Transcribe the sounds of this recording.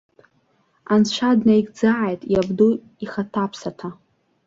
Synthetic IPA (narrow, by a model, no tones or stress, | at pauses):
anʃʷʰadnaiɡd͡zaʕajtʼjabdu | iχatʰapʰsatʰa